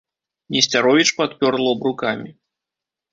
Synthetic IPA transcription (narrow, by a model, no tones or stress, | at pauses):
nʲɛsʲt͡sʲaɾɔvʲit͡ʂpat̪pʲɔrlˠɔbɾukamʲi